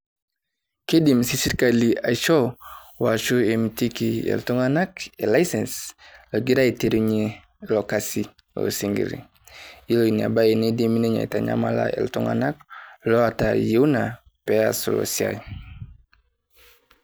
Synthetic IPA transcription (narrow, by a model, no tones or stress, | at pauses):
kedimsisiɾkaliajʃo | waʃuemtikiḛltuŋanakelajsensloɡiɾaiteɾuɲi | lokasi | lo̰siŋɡḭɾḭ | iloinia̰bajinedemineɲa̰taɲa̰mala̰ʔḛltuŋa̰nak̚loatajiuna | peasṵlo̰sia̰j